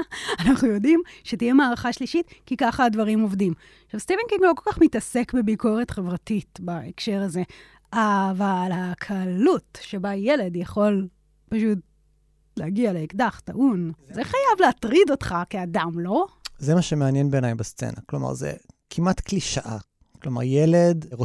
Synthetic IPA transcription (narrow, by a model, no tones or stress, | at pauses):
anaχnujo̞dimʃetijemaːʁaχaʃliʃitkikaχaːdvaʁimo̞vdim | ʃavst̪ivenkiŋɡlo̞ko̞lkaχmitɐse̞kbebiko̞ʁetχe̞vʁatitbaekʃe̞ʁaze̞ | avalhakʰaːlutʃe̞baje̞le̞djaχo̞l | paʃut̚ | leaɡialeikdaχta̰ʔunzeχajavleatʁido̞tχakeadamlo̞zemaʃemeanjenbenajbast͡sḛna̰kloma̰ʁzḛkʰimat̪kliʃaʔa̰ | kloma̰ʁjeledʁo